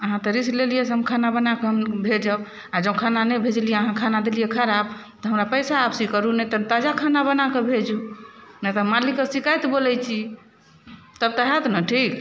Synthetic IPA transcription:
əɦãt̪ɾislelijesəəmkʰanabənakeɦəmbʱed͡ʒəb | ad͡ʒəb̃kʰananɛbʱed͡ʒlijeəɦãkʰanad̪elijekʰəɾab̚ | t̪ɔɦəmɾapəsaːbsikəɾunɛt̪bt̪ad͡ʒakʰanabənakebʱed͡ʒunɛt̪ɦmalikːəsikajt̪bolɛjt͡ʃʰi | t̪əb̚t̪əɦɛt̪nə̃ʈʰik

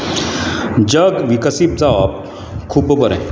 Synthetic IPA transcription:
d͡ʑəɡʋikəsip̚d͡zaʋap̚ | kʰuːbbʱəɾɛ̰̃

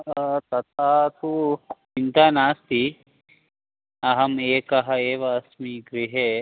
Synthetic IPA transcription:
t̪ɐt̪aːt̪u | int̪aːnaːst̪i | ɐɦɐmeːkɐɦɐeːʋɐːsmiɡɾiɦe

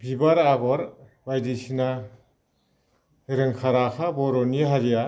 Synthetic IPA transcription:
bibaɾaɡɔɾbajdisina | ɾɯŋkʰaɾakʰabɔɾɔniɦaɾija

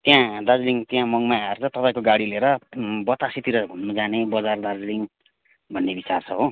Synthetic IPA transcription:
t̪jãd̪ad͡zliŋt̪jãmʌŋmaart͡sʰʌt̪ʌpãĩkoɡaɽileɾʌbʌt̪asit̪iɾʌɡʱunːud͡zanebʌd͡zard̪ad͡zliŋ | bʱʌnːebit͡sart͡sʰʌɦo

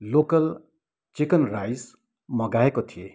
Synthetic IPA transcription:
lokʌl | t͡sikʌnrajs | mʌɡaekot̪ʰije

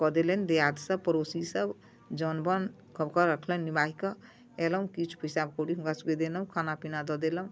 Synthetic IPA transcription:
kɔd̪elənd̪ejad̪səb̚pəɾosisəb | d͡ʒənbən | kəbkɔɾəkʰlənːibaɦikə | eləũkit͡ʃʰpəjsabkoɽiɦũkasuɡed̪enəũkʰanapinad̪ɔd̪eləũ

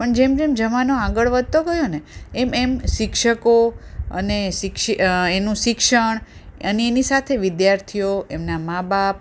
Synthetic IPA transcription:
pəɳd͡ʒemd͡ʒemd͡ʒəmanoaɡəɭʋəd̪̚t̪oɡəjoneememʃɪkʃəkoə̰neʃɪkʃienũʃɪkʃəɳ̃əneenisat̪ʰeʋɪd̪jaɾt̪ʰijoemnamabap̚

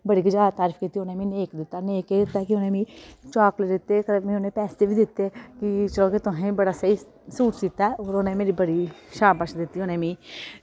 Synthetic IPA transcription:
bəɽiːɡəd͡ʒaːt̪aːɾifkiːt̪ːiːonẽːmĩːneːkd̪ɪt̪ːaːneːkeːd̪ɪt̪ːaːkiʊnẽːmĩːt͡ʃaːkleːd̪ɪt̪ːeːkəmẽːonẽːpɛːst̪eːbʱiːd̪ɪt̪ːeːkit͡ʃəlõːket̪ʊɦẽːbəɽaːsəi | suːʈd̪ɪt̪ːaɛoːɾonẽːmeːɾiːbəɽiːʃaːbəʃd̪ɪt̪ːiːonẽːmĩː

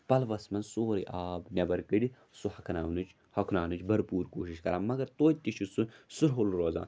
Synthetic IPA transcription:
pɐlʋɐsmɐnsoːɾḭʔaːbnʲɐbɐɾkɨɖi | suhɐkʰɐnaːʋnut͡ʃ | hɐkʰnaːnut͡ʃbɐɾpuːɾkoːʃiʃkɐɾaːnmɐɡɐɾt̪oːt̪ːiʃʰisusuɾɦolɾoːza̰ːn

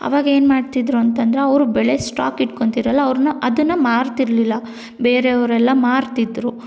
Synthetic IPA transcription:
ɐ̰ʋaːɡɐeːnmaːɖt̪id̪ɾuɐnt̪ɐnd̪ɐɾeɐʋɾubɛɭesʈa̰ːkiʈkoɳt̪iɾɐlːɐːʋɾnɐʔɐd̪unːɐmaːɾt̪iɾlilːɐ | beːɾeɐʋɾɛlːɐmaːɾt̪id̪ɾu

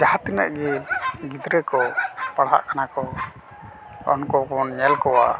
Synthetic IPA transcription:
d͡ʒahat̪ina̰ʔɡɛɡid̪ɾɛkɔpaɽa̰ʔkanakɔ | ɔ̰nkɔkɔnɲɛlkɔwa̰

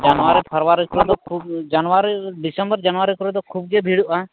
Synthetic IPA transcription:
d͡ʒanwaɾɛpʰəɾwaɾikɔɾud̪ɔkʰub̚d͡ʒanwaɾiɖisəmbəɾd͡ʒanʋaɾikɔɾɔd̪ɔkʰub̚ɡebʱiɽuʔa

